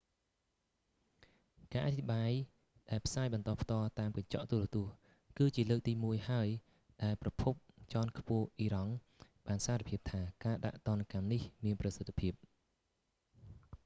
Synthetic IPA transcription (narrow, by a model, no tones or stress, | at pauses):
kaːʔat̪ʰiɓaːj | ɗaɛlpʰsaːjɓɑnt̪ɑːpʰt̪ɔəlt̪aːmkaɲt͡ɕɑ̰ʔt̪uərt̪ŭəh | kɨːt͡ɕiələːk̚t̪iːmuəjhaəj | ɗaɛlprɑpʰup̚t͡ɕɑnkʰpʊ̆əhʔiːɾɑŋ | ɓaːnsaːɾipʰiəp̚t̪ʰaːkaːɗa̰ʔt̪ŏənakamnihmiənprɑsət̪ʰːpʰiəp̚